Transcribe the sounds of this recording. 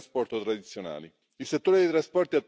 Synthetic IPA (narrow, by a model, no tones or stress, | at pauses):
spɔrt̪ot̪ɾad̪it̪sːjona̰ːli | ilset̪ːoːɾed̪ejt̪ɾaspɔrt̪iat̪ː